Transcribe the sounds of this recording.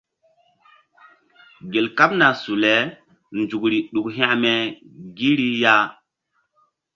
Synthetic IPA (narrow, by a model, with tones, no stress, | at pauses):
ɡe˨lka˦p̚na˨su˨lɛ˨˦ | nd͡ʒu˨kɾi˨ɗu˨kɦĩ˦ʔmɛ˨ɡi˦ɾi˦ja˦